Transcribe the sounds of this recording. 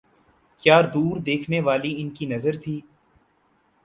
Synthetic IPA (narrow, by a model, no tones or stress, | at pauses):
kjaːɾd̪uːɾd̪eːkʰneʋaːliɪnkinɐzəɾt̪ʰiː